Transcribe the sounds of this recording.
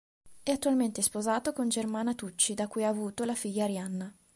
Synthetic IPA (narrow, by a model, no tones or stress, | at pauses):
ɛat̪ːualment̪espozaːt̪okond͡ʒermaːnat̪ut͡ʃːid̪akuːjaːvuːt̪olafiʎːaɾjanːa